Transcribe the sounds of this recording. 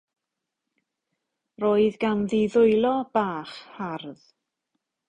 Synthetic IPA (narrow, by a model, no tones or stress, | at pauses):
roːɨðɡanðɪðʊɨlˠɔb̥aːχharð